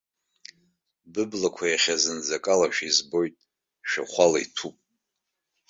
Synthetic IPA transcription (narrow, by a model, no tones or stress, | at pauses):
bɨblakʷʰajaχʲazɨnd͡zakʼalaʃᶣizbo̞jtʼ | ʃᶣa̰χʷalaitʰupʼ